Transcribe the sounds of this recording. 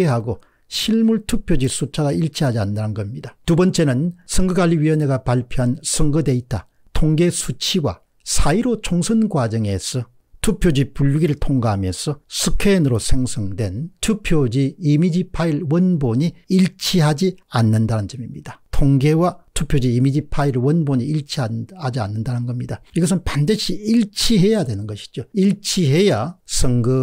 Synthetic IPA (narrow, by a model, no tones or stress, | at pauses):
eɦaɡo | ɕʰiɭmuɭtʰupʰjod͡ʑisʰut͡ɕʰaɡaiɭt͡ɕʰiɦad͡ʑiandanɯnɡʌmɲidatubʌnt͡ɕ͈e̞nɯnsʰʌŋɡɯɡaʎːiɥiʌneɡapaɭpʰjoɦansʰʌŋɡɯde̞itʰa̰ | tʰoŋɡe̞sʰut͡ɕʰiɡwa̰ | sʰaiɾot͡ɕʰoŋsʰʌnɡwad͡ʑʌŋe̞sʰʌ | tʰupʰjod͡ʑipuɭːɡiɾɯɭtʰoŋɡaɦamjʌsʰʌsʰɯkʰenɯɾosʰeŋsʰʌŋdwe̞ntʰupʰjod͡ʑiːmid͡ʑipʰaiɭwʌnboɲiːɭt͡ɕʰiɦad͡ʑianːɯndanɯnt͡ɕʌmimɲid̥atʰoŋɡe̞watʰupʰjod͡ʑiːmid͡ʑipʰaiɾwʌnboɲiiɭt͡ɕʰiahad͡ʑia̰nːɯndanɯnɡʌmɲidaiɡʌs̬ʰɯnpandɯɕʰiiɭt͡ɕʰiɦe̞jadwenɯnɡʌɕʰi̥d͡ʑoiɭt͡ɕʰiɦe̞jasʰʌŋɡɯ